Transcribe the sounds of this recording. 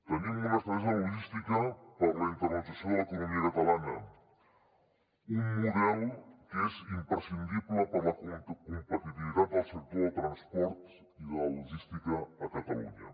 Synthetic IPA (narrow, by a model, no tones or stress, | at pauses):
t̪ənimərəst̪ɾəzoluʒist̪ikəpəɾləint̪əɾpɾət̪əsioðəkunumiəkət̪əlanə | umːuðɛlˠkezimpɾəsind̪iβləpəɾləkkumpət̪it̪iβit̪at̪̚d̪əlˠsək̚t̪oðət̪ɾənspɔɾt̪ | iləluʒist̪ikəːkət̪əlṵɲə̰